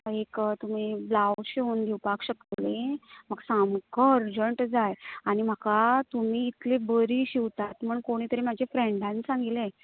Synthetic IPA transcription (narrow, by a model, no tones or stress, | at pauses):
ekt̪um̤iblawɕiuːnd̪ʱiwpakɕəkt̪lem̤əɡsamkəɾd͡ʑəɳʈd͡zajaɽ̃im̤akat̪umiːt̪lebəɾiːɕiwt̪at̪m̤əɳkoɽ̃iːt̪əɾem̤ad͡ʑʱefɾẽɳɖãnsãŋɡilẽ